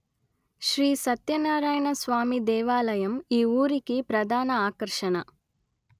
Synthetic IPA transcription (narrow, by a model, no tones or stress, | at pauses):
ʃɾiːsɐt̪jɐnaːɾaːjɳɐsʋaːmid̪ɛːʋaːlɐjɐmiːuːɾikipɾɐd̪ʱaːnɐaːkɐɾʂɐnɐ